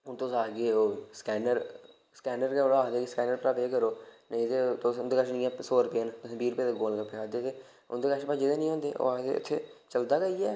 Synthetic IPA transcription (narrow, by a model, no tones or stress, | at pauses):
ʊnt̪osaːɡeːoːskɛːnəɾ | skɛːnəɾkːoɽaaːd̪eːkeskɛːnəɾpɾaːpeːkəɾoːnẽɪt̪eːt̪ond̪eːkaʃnɪ̃ːãːsoːɾpeːnt̪ʊsĩːbiːɾʊpeːd̪eːɡoːlɡəpeaːd̪eːt̪eː | ʊnd̪eːkaːt͡ʃpad͡ʒɪd̪eːnĩːɦõːnd̪eːʔo̰aːd̪ḛʊ̰t̪ʰːeːt͡ʃəld̪aːɡəiːɛː